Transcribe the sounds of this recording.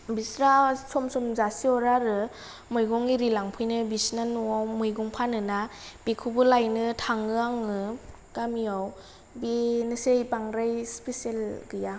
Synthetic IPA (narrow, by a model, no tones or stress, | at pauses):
bisɾasɔmsɔmzasiɔɾaɾɯ | mɔjɡɔŋiɾilaŋpʰɯjnɯbisnanuawmɯjɡɔŋpʰanɯnab̥ekʰubɯlajnɯtʰaŋɯaŋɯ | ɡamiaw | benɯsejpaŋɾajspeselɡɯja